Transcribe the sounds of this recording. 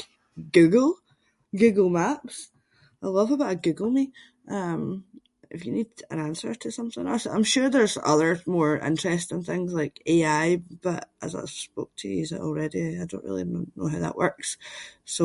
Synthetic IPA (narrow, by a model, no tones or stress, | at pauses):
ɡ̥ʉɡl̩ˠ | ɡ̥ʉɡl̩ˠmaps | aɪlˠʌvəbaʊʔəɡʉɡl̩ˠmi | ʔʌ̃m | ɪ̰fjənidə̰̃nãnsə˞tʰəsʌ̃mθɪ̰̃ŋɛsãɪ̃mʃʉɹðə˞zʌ̰ðə˞mɔɹɪ̰̃nt͡ʃɹ̥ɛstɪ̃ŋθɪ̃ŋzlˠaɪkeaɪb̥ʌʔʔə̰za̰ɪspo̰k̚tʰəjizəʔɔ̰l̩ˠɹɛdiaɪdõ̰nʔɹḭlˠimɛ̃mbə˞no̰ɦaʊðə̰ʔwɜ˞ksso